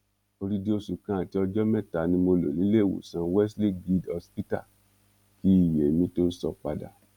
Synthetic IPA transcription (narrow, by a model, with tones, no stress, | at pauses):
o˧ɾi˦di˦o˦su˨kã˦˨ti˨˦ɔ˧d͡ʒɔ˦mɛ̃˦˨ta˨nĩ˧mo˧lo̰˨nĩ˨˦le˦˨wo̰˨sã˧wɛ˦sli˦ɡi˦˧dɔ˧spi˦ta̰˦˨ | ki˦i˦˨je˨mĩ˧˦to˦sɔ̰˧k͡pa˧da̰˨